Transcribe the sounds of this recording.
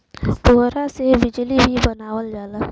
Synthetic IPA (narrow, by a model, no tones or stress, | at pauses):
poɦɾasebɪd͡ʒlibʱibɐnaːwəld͡ʒaːlaː